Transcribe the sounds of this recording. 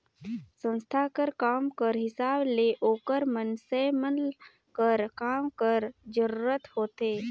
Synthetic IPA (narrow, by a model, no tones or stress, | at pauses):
sə̃nst̪ʰakəɾkaːmkəɾɦɪsaːbleʔoːkəɾmənsemən | kəɾkaːmkəɾd͡ʒəɾuːɾət̪hoːt̪eː